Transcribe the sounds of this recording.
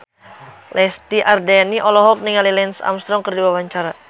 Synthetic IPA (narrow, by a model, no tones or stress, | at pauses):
lʔɛst̪iʔardɛniʔɔlɔɦɔk̚niŋalilɛnsa̰mst̪ɾɔŋkərdiwawaɲt͡ʃaɾa